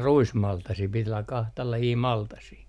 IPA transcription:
ruismɑltɑsiː pit olːɑ kɑhtɑ lɑjiː mɑltɑsiː

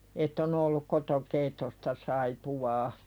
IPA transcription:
etː on olːuk kotokeitːostɑ sɑipuwɑː

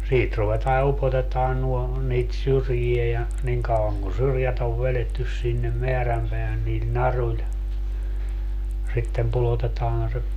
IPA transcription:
siːt ruʋetɑː jɑ upotetɑːn nuo niːt syrjie jɑ niŋ kɑuɑŋ kun syrjæt oʋ ʋeletːys sinːem meæræmpeæhæn niːl nɑrulʲ sitːem pulotetɑːn se

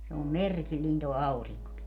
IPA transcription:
se om merkilːiːn toː ɑuriŋkoki

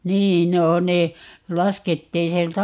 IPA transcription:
niːn no ne lɑsketːiːn sielt

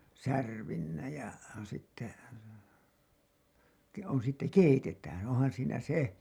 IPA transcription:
særʋinːæ jɑ sitːe ke on sitːe keitetæːn onhɑn siːnæ se

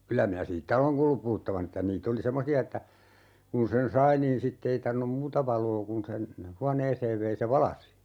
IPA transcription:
kylæ minæ siːtːæ oleŋ kuːlːup puhutːɑʋɑn ĕtːæ niːt oli semːosiɑ etːæ kun sen sɑi niːn sitːe ei tɑrʋinˑum muːtɑ ʋɑloː kun sen huɑneːseːʋ ʋei se ʋɑlɑsi

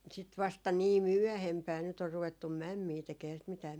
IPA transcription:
sit ʋɑstɑ niː myœˑhempæː nyt or ruʋetːum̆ mæmːiː tekeː ehæː sit mitæː

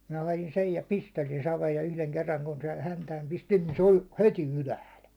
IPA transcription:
minæ hɑjin sej jɑ pistelin sɑʋeːj jɑ yhleŋ kerːɑŋ kun sen hæntæːm pistin niːn se olʲ heti ylæhæl

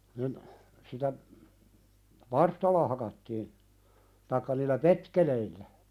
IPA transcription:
nin sitæ ʋɑrstɑlːɑ hɑkɑtːiːn tɑikːɑ niːlːæ petkeleilːæ

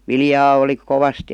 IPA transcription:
ʋiljɑː oli koʋɑst

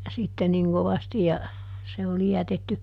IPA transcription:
sitːe niŋ koʋɑsti jɑ se oli jætetːy

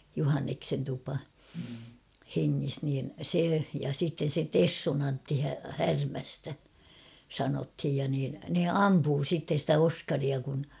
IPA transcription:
juhɑnːeksen tupɑ heŋːis niːn se jɑ sitːen̞ se tesːun ɑntːi hærmæstæ sɑnothij jɑ niːn ne ɑmpuː sitːe stæ oskɑriɑ kun

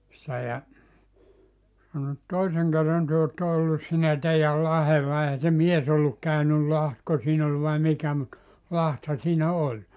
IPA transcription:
se jɑ sɑno et toiseŋ kerːɑn tyø otːɑ olːus siːnæ teijæl lɑhelːɑ eihæ se mies olːuk kæynyl lɑhtko siːn ol ʋɑi mikæ mut lɑthɑ siːnæ olʲ

